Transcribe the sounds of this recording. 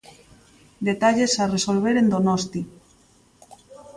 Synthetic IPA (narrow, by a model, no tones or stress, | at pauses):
d̪et̪aʎesaresolβ̞eɾend̪onɔst̪i